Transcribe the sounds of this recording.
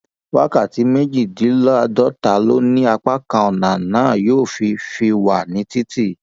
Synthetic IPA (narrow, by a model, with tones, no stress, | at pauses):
wa˦ka˦˨ti˨˦me˦d͡ʒi˦˨di˨˦lɔ˦a˧dɔ˦ta˨lo˦nĩ˦a˧k͡pa˦kã˧ɔ˨nã˨nãː˨˦˨joː˦˨fi˧fi˧wa˨nĩ˨˦ti˦ti˦˨